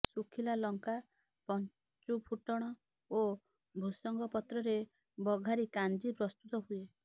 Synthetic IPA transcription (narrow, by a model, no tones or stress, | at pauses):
sukʰilalɔŋka | pɔn | t͡ʃupʰuʈɔɽ̃ɔ | o | bʱusɔŋɡɔpɔt̪ɾɔɾe | bɔɡʱaɾikand͡ʒipɾɔst̪ut̪ɔɦue